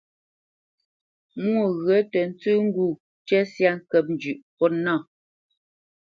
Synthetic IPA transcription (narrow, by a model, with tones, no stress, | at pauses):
mwo˦˨ɣɰə˨˦tɛ˨n̩˦t͡sʉ˦ŋ̩˦ɡu˦˨ | t͡ʃɛ˦sja˦ŋ̩˦kɛ˦p̚n̩˨˦d͡ʒʉ˨ʔpɔ˦na˦˨